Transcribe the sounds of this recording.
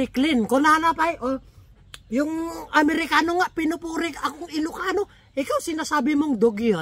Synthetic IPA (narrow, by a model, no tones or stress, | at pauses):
iklɪnkonanapajʔo | jʊŋʔɐmɛɾɪkaːnoŋaʔpɪnʊpuːɾɪkakoŋɪlʊkaːno | ʔɪkawsɪnasaːbɪmoŋd̪oɡjo